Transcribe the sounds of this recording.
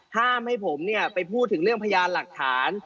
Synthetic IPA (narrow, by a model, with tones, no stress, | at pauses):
haː˥˩mha˥˩jpʰo˩˦mni˥˩ɐpa˧jpʰuː˥˩t̪ʰːɯ˩˦ŋɾɯ˥˩əŋpʰa˧jaː˧nla˨˩k̚t̪ʰaː˩˦n